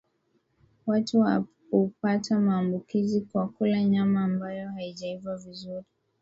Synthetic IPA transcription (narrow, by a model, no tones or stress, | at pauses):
watuwa | upatʰamaːmbukizikwakulaɲamaːmbajɔhaiʄaivavizuɾi